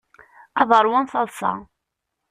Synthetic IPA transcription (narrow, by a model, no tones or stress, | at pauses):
ɑðˤəɾˤwanθɑðˤsɑ̰